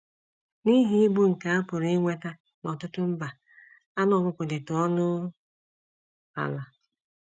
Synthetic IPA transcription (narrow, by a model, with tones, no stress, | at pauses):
ni˦ɦi˦i˦bu˦ŋ̩˨ka˨a˦pʊ˨ɾi˦ŋʷe˦ta˦ | nɔ˨tʊ˦tʊ˦m̩˦ba˨ | a˦nɔ˨ɡʊ˦kʷʊ˨dɪ˨tɔ˦nʊ˦ | a̰˨la˨